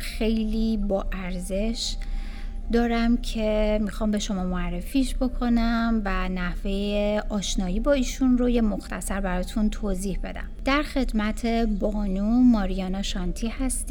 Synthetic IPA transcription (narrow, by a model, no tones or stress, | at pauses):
xe̞jliːbɒːʔæɾze̞ʃ | d̪ɒːɾæmcʰe̞mixɒːmbe̞ʃo̞mɒːmoærːe̞fiːʃb̥o̞kʰo̞næmvænæhve̞jeɒːʃnɒːjiːbɒːiːʃunro̞jemo̞xt̪ʰæ̰sæɾbæɾɒːt̪ʰunt̪ʰoziːhbe̞̰d̪æ̰md̪̥æɾxe̞d̪mæt̪ʰe̞bɒːnumɒːɾijɒːnɒʃɒnt̪ʰiːhæst̪i